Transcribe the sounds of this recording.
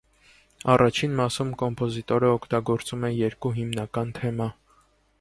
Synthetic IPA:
ɑrʔɑt͡ʃʰinmɑsumkɔmpʰɔzit̪ɔɾəɔkʰt̪ɑɡɔɾt͡sumɛjɛɾkuɦimnɑkɑnt̪ʰɛmɑ

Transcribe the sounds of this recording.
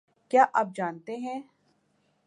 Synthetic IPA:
kjaːʔɐp̚d͡ʒaːnt̪eɦɛ̃ː

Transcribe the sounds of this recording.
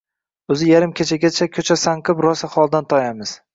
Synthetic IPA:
ɵzɪjaɾɪmkʲʰet͡ʃʰaɡʲat͡ʃʰakʲʰɵt͡ʃʰasaŋqʰɨpɾɒsaχɒlˠd̪ant̪ʰɒjamɪz̥

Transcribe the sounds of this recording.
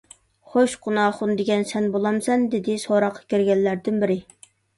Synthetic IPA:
χoʃqʊnɑːχʊnd̪ɪɡʲɛnsɛnbolˠɑmsɛnd̪ɪd̪ɪsoɾɑqʰːɑ̥kʲeɾɡʲɛnlæɾd̪ɪnbɪɾɪ

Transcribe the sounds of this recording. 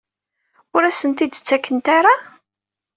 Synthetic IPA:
ʊɾæsənt̪id̪t͡sːækːənt̪aɾa

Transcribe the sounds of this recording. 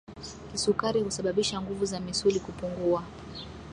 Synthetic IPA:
kisukaɾihusaɓaɓiʃaŋɡuvuzamisulikupuŋɡua

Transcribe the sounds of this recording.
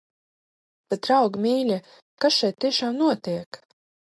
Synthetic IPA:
bʲɛt̪ɾawɡmʲiːlʲɛ | kkasʃɛjt̪t̪ʲːiɛʃaːmnuɔt̪iɛk

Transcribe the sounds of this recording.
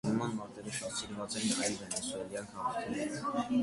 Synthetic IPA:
nəmɑnmɑɾt̪ɛɾəʃɑt̪siɾvɑt͡sɛnʰɑjlvɛnɛsuɛljɑŋkʰɑmɑɾʰɛ

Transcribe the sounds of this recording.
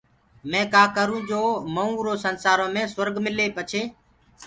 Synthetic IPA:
mẽːkaːkəɾũːd͡ʒoːməũːɾoːsənsaːɾõːmẽːsəɾɡmɪleːpət͡ʃʰeː

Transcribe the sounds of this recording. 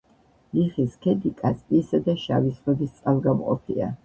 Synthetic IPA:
liχiskʰɛd̪ikʼasʼiːsad̪aʃavisʁɛb̪ist̪sʼalˠɡamqʼɔ̰pʰḭa̰

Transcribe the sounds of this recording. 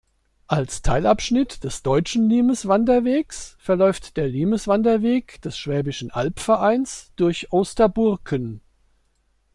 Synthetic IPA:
ʔalstʰaɪlapʃnɪtd̥ɛsd̥ɔʏt͡ʃn̩liːməsv̥andɐveːksfɛɐlɔʏftd̥eːɐliːməsv̥andɐveːkd̥ɛsʃv̥ɛːbɪʃn̩ʔalpfɛɐʔaɪnsd̥ʊɐçʔoːstɐbʊɐkʰən

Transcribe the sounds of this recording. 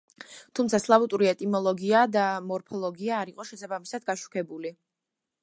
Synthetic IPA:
t̪ʰumt̪sʰaslˠavut̪ʼuɾiɛt̪ʼimɔlˠɔɡiad̪amɔɾpʰɔlˠɔɡiaːɾiqʼɔʃɛsabamisad̪ɡaʃu̥kʰɛbuli

